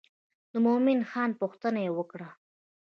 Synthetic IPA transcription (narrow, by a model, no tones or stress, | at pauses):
d̪əmomɪnxɑnpʊxt̪ənajewəkɽa